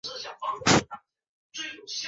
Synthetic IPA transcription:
ɕjɑ˨˩fɑ˥ŋ˥˩˧ | t͡swe˥˩ɪjo˨˩ʊɕ

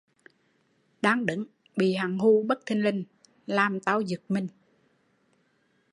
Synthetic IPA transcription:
ɗaː˧ŋɗɨ̰˧˨˦ŋ | ɓḭ˧˨ɦa˨˩ŋɦu˧ɓə˦˥k̚t̪ʰi˧ŋlï˧ŋ̟ | laː˨˩mt̪aː˧wzɨ˨˩k̚mï˧˩ŋ̟

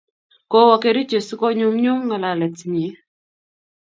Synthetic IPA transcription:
kɔ˦wɔ˨ke˨ɾi˦t͡ʃe˨skɔ˦ɲu˦mɲu˦ŋŋə˨la˨lɛ˨tɲi˨˦

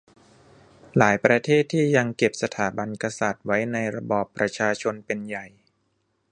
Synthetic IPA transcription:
laː˩˦jpɾa˧t̪ʰeː˥˩t̪ʰːiː˥˩ja˧ŋke˨˩p̚sa˧t̪ʰaː˩˦ba˧nka˧sa˨˩t̪̚wa˦˥jna˧jɾa˧bɔː˨˩pːɾa˧t͡ɕʰaː˧t͡ɕʰo˧npe˧nja˨˩j

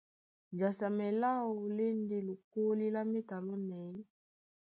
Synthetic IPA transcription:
d͡ʒa˨sa˨mɛ˨la˦o˨le˦n˦di˦lu˨ko˦li˦la˦mi˦ta˨lɔ˦nɛ˨i˦

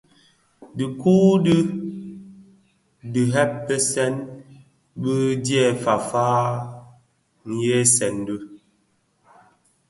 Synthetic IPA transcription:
di˨ku˦di˦ | dɨ˨ɦɛ˦p̚ːe˦sɛ˦n | bə˦djɛ˦˨fa˨faː˦ | ŋ̩˨je˦sɛ˨ndə˦

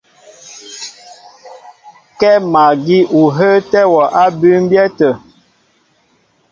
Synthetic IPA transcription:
kɛ˦ma˨ɡi˦ʔu˨ɦə˦tɛ˦wɔ˨ʔa˦bʉ˦m˦bjɛ˦tə˨

